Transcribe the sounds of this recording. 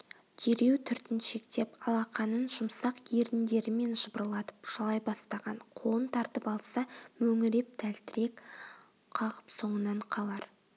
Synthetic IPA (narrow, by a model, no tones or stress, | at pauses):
t̪ʰeɾe̞wt̪ʰʏɾt̪ɪnʃe̞kt̪e̞pɑlˠɑqɑnənʒʊmsɑqjeɾt̪ɪnd̪e̞ɾɪme̞nʒəbəɾəlˠɑt̪ə̥pʒ̥ɑlˠɑjbɑst̪ɑʁɑnqʰo̞lˠənt̪ʰɑɾt̪əpɑlˠsɑmɵŋɪɾe̞p̚t̪ʰælt̪ɪɾe̞k | qʰɑʁəpso̞ɴənɑɴqʰɑlˠɑɾ